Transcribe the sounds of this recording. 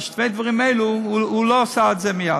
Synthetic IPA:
ʃtveɪdvɔʁɪmeɪluulosaatzɛmɪja

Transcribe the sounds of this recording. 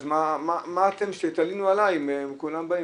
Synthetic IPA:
zmamamaːt̪emʃet̪alinualajimemkulambai

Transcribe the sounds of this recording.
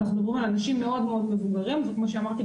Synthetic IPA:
azbabumalanaʃimːe̞o̞d̪meo̞d̪me̞vuɡaʁimzekmo̞ʃeamaʁt̪i

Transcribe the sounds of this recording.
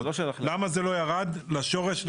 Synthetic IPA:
lʃelamazelo̞jaʁad̪laʃo̞ʁeʃl

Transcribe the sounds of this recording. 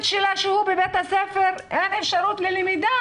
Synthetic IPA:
t̪ʃelaʃehubebet̪hasefeɾʔenefʃaɾut̪lelemid̪a

